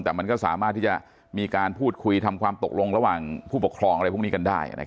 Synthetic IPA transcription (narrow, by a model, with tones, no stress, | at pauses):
t̪ɛː˨˩ma˧nkɔː˥˩sa̰ː˩˦maː˥˩t̪ʰːiː˥˩t͡ɕa̰˨˩ | miː˧kaː˧npʰuː˥˩t̪̚kʰu˧jt̪ʰa˧mkʰwaː˧mt̪o˨˩k̚lo˧ŋɾa˧waː˨˩ŋpʰuː˥˩po˨˩kʰɾɔː˧ŋʔɾjpʰniː˦˥ka˧ndaː˥˩j̰na̰˦k